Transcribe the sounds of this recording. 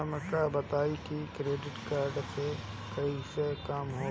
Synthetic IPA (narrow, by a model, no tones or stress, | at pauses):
məkabɐt̪aːikikɾeːɖɪʈkaːɾɖpe | kɐisekaːmɦoː